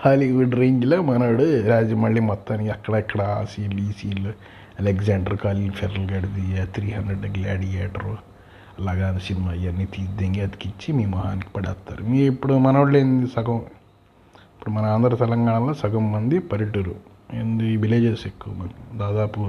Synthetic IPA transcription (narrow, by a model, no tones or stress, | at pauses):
aːliʋuɖɾeːɲd͡ʒloːmɐnoːɽuɾaːd͡ʒɐmɐɭːiːmɔt̪ːaːnikiɐkːɐɽaikːɐɽɐa̰ːsieliːsiːlu | ɐleɡzaːɳɖɐɾkaːlilpʰeɾɐlɡɐɽid̪ijaːt̪ʰɾiːɦɐnd̪ɾeɖɡlaːɽijeːʈɐɾ | ɐlaːɡaːnɐsinimaːijɐnːiːt̪iːsd̪eŋɡeɐd̪i̥kit͡ʃːimiːmɐɦa̰ːniki̥pɐɽa̰ːt̪ːa̰ːɾumiːipːuɽumɐnoːɽleːnd̪isɐɡɐm | ipːuɽumɐnɐaːnd̪ʱɐɾɐt̪ɛlɐŋɡaːɳɐloːsɐɡɐmːɐnd̪ipɐɾiʈuɾu | end̪iʋileːd͡ʒesekːuʋɐmɐnɐd̪aːd̪aːpu